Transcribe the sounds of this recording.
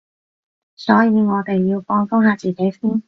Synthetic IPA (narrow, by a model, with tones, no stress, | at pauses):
sɔː˨˥jiː˨˧ŋɔː˨˧t̪e˨jːiː˧wfɔː˧ŋfʊ˥ŋɦaː˨˧t͡siː˨˩ke˨˥jsiː˥n